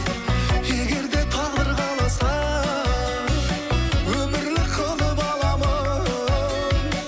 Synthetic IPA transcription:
eɡʲe̞ɾd̪e̞t̪ʰɑnd̪əɾʁɑlˠɑsɑ | wɵmɪɾlɪqʰəlˠəbɑlˠɑmɑ

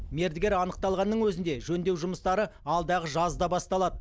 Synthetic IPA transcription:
me̞ɾd̪ɪɡʲe̞ɾɑnəq̚t̪ɑlˠʁɑnːəŋwɵzɪnd̪e̞ʒɵnd̪e̞wʒʊməst̪ɑɾəɑlˠd̪ɑʁəʒɑzd̪ɑbɑst̪ɑlˠɑd̪ə

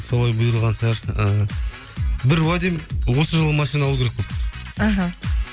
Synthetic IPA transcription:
solˠɑjbʊjɾlˠʁɑnsɑɾəː | bɪɾwad̪ijmwo̞səʒəlˠʁəmɑʃijnaɑlˠukʰʲeɾekpoaɦa

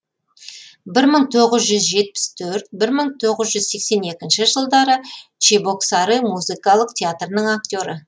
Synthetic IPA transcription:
bɪɾməɴt̪ʰo̞ʁəzʒʏzʒe̞t̪̚pɪ̥st̪ʰɵɾt̪̚bɪɾməɴt̪ʰo̞ʁəzʒʏzse̞kse̞ne̞kʲɪnʃɪʒəlˠd̪ɑɾət͡ʃebo̞ksɑɾijmuzɨkɑlˠəqt̪ʲʰeat̪rənəɴak̚t̪ʲo̞ɾə

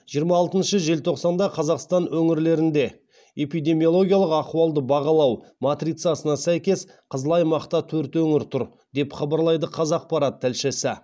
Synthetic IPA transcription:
ʒ̥ijəɾmɑːlˠt̪ənʃəʒe̞lt̪ʰo̞qsɑnd̪ɑqʰɑzɑqst̪ɑnwɵŋɪɾle̞ɾɪnd̪e̞ | e̞pijd̪e̞mijo̞lˠo̞ɡʲijalˠəqɑquɑlˠd̪əbɑʁɑlˠɑw | mat̪ɾit̪sjasənɑsæjkʲe̞s | qʰəzlˠɑjmɑqt̪ɑt̪ʰɵɾt̪wɵŋɪɾt̪ʰʊɾ | d̪e̞pχɑbɑɾlˠɑjd̪əqʰɑzɑq̚pɑɾɑt̪ʰːælʃesɪ

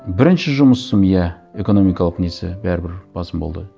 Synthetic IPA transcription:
bɪɾɪnʃɪʒʊməsːəmjæe̞ko̞no̞mijkɑlˠəqnesɪ̰bæɾɪbɪɾb̥ɑsəmbo̞̰lˠd̪ə

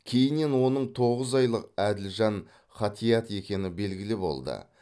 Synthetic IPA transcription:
kʲʰe̞jɪnːe̞nwo̞nəɴt̪ʰo̞ʁəzɑjlˠəqæd̪ɪlʒɑn | χɑt̪ʰijɑt̪e̞kʲe̞nɪbe̞lɡʲɪlɪbo̞̰lˠd̪ə̰

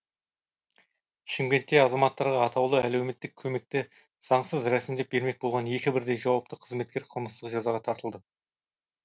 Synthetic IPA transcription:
ʃɪŋɡʲe̞nt̪ːe̞ɑzɑmɑt̪ːɑɾʁɑːt̪ʰɑwlˠəælewme̞t̪ːɪkʲʰːɵme̞k̚t̪ɪ | z̥ɑɴsəzɾæsɪmd̪e̞p̚be̞ɾme̞k̚bo̞lˠʁɑnje̞kʲɪbɪɾd̪e̞jʒɑwɑp̚t̪əqʰəzme̞t̪̚kʲe̞ɾqʰəlˠməst̪əqʒɑzɑʁɑt̪ʰɑɾt̪əlˠd̪ə

